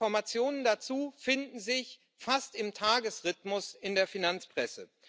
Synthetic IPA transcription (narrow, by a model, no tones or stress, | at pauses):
ɔɐmat͡sjoːnəndat͡suːfɪndn̩zɪç | fastɪmtʰaːɡəsʁɪtmʊsɪndeːɐfinant͡spʁ̥ɛsə̰